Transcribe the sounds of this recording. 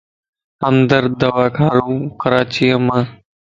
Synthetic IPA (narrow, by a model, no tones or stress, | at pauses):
əmd̪əɾd̪əʋaːkʰaːɾũːqəɾaːt͡ʃiːəmãː